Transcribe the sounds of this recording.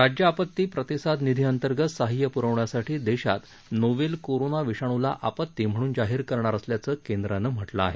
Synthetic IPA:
ɾad͡ʑjəapət̪ːiːpɾət̪isad̪nid̪ʱiənt̪əɾɡət̪saɦijəpuɾəʋɳjasaʈʰiːd̪eɕa̰t̪ | noʋelkoɾonaʋiʂaɽ̃ula̰ʔapət̪ːiːm̤əɽ̃uːnd͡zaɦiːɾkəɾɳaɾəsljat͡səːkend̪ɾanəm̤əʈləa̰ɦe

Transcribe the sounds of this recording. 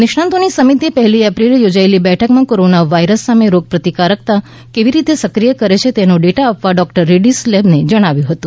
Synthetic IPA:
nɪʃɳãnt̪onisəmit̪iepəɦɛliɛpɾilejod͡ʒaelibɛʈʰəkmãkoɾonaʋaiɾəsːameɾoɡ̚pɾət̪ikaɾək̚t̪a | keʋiɾit̪esəkɾijəkəɾet͡ʃʰet̪enoɖeʈaːpʋaɖɔk̚ʈəɾːiɖislebned͡ʒəɽ̃aʋjũɦət̪ũ

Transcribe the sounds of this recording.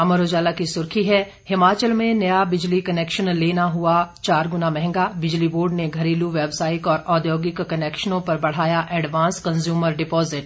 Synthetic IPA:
ɐməɾoːd͡ʒaːlakisʊɾkʰiɦɛ | hɪmaːt͡ʃəlmẽnɐjabɪd͡ʒlikɐnɛːkʃənleːnaɦʊat͡ʃaːɾɡʊnamɛ̃ɦɛ̃ŋɡabɪd͡ʒliboːɖneɡʱɐɾiːluʋeːbsaːɪʈɔːɾɔːd̪joːɡɪkːɐnɛːkʃənõpɐɾbɐɽ̤aːjaʔɛːɖʋãːnskɐ̃nzjuːməɾɖɪpɔːzɪʈ

